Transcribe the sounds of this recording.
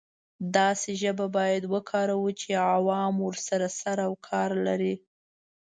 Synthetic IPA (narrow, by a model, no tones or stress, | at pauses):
d̪ɑseʒəbabɑjad̪wəkʰɑɾawut͡ʃeawɑmwəɾsaɾasaɾawkʰɑɾlaɾi